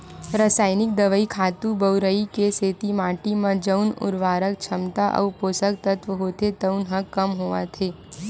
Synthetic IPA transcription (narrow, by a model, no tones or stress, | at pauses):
ɾəsaːɪnɪk̚d̪ɐʋəikʰaːt̪ubəʊɾəikeseːt̪imaːʈimãd͡ʒəʊnʊ̰ɾʋaːɾək̚t͡ʃʰɐmt̪aʔɐ̰ːpoːsək̚t̪ət̪ʋəɦoːt̪et̪əʊnɦɐkːɐmɦoʋa̰t̪ʰeː